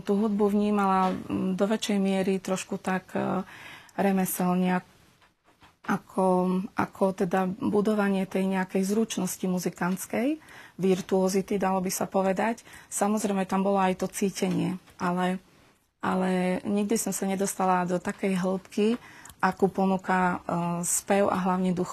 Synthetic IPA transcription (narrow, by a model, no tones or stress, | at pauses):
t̪uːɦud̪buʋɲiːmalad̪ɔʋɛt͡ʃɛjmɪɛɾit̪ɾɔʃkut̪ak | ɾɛmɛsɛlɲɛa | ʔakʰɔʔa̰kʰɔt̪ɛd̪abud̪ɔʋaɲɪɛt̪ɛjɲɛakɛjzɾut͡ʃnɔscimuzikant͡skɛjʋiɾt̪uɔzit̪id̪alɔbisapɔʋɛd̪acsamɔzɾɛmɛt̪ambɔlɔajt̪ɔt͡siːcɛɲɪɛʔalɛ | ʔa̰lɛɲiɡ̚d̪isɔmsaɲɛd̪ɔst̪alad̪ɔt̪akɛjɦl̩pkiʔakuːpɔnuka | spɛʊa̰ɦlaʊɲɛd̪ux